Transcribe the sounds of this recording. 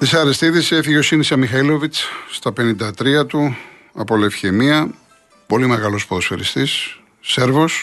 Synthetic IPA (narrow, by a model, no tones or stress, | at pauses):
t̪isɐɾest̪iðiseefiʝeo̞sinisɐmixɐilo̞vit͡sst̪ɐpe̞nind̪ɐt̪ɾiɐt̪u | ɐpo̞lefçemiɐ | po̞limeɣɐlo̞spoðosfeɾḭst̪isː | e̞ɾvo̞s